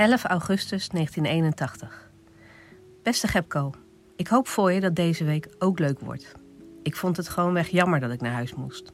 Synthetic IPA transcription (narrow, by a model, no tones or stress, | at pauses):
ɛləfɑwχɵstəsnejχəntinejnəntɑχtəχ | b̥ɛstəχɛp̚kow | ɪkɦowpfʊːɹjədɑt̚dejzəʋejkowkløɥkʋɔ̰ɹt | ɪkfɔntɦətχəʋownʋɛχjɑməɹdɑtɪknaːɹɦœɥsmʊst